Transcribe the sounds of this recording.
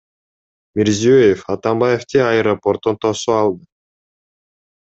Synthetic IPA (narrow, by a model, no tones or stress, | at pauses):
mʲeɾziøjefɑt̪ambajeft̪eɑeɾopo̞rt̪ont̪osuɑlˠd̪ɯ